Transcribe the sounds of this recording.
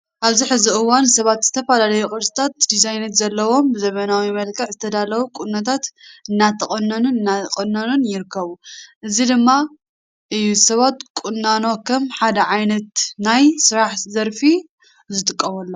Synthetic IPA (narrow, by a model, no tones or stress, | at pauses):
ʔaβziħɨziʔɨwːansɐβat̪z̥ɨt̪ʰɐfalalɐjukʼɨɾsʼɨ̥t̪ʰat̪̚d̪izajnɐt̪zɐlːɐwo̞mbɨzɐmɐnawimɐlkʰɐʕzɨt̪ʰɐd̪alɐwukʼunːɐt̪ʰat̪ɨnːat̪ʰɐχʼɐnːɐnunɨnːaqʼɨnːɐnunjɪɾɨkʰːɐβuʔɨzid̪ɨmːa | ʔɨjːusɐβat̪kʼunːano̞kʰɐmħad̪ɐʕajnɐt̪najsɨɾaħzɐɾfi | zɨt̪ʼɨkʼːɐβɐlːo